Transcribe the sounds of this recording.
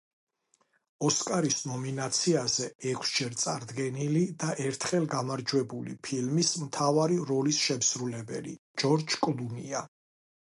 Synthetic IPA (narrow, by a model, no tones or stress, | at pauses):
ɔskʼaɾisnɔminat̪sʰiazɛɛkʰsd͡ʒɛɾt̪sʼaɾd̪ɡɛnilid̪aʔɛɾt̪ʰχɛlɡamaɾd͡ʒwɛbulḭpʰilmismt̪ʰavaɾiɾɔlisʃɛmsɾulɛbɛ̰lḭ | d͡ʒɔɾd͡ʒkʼlˠunia